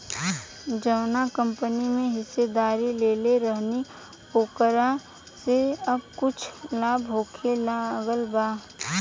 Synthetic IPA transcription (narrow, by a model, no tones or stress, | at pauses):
d͡ʒəʋnakə̃mpənimẽɦɪsːed̪aːɾileːleɾəɦni | poːkəɾa | seɐb̚kʊt͡ʃʰlaːbɦoːkʰelaɡəlbaː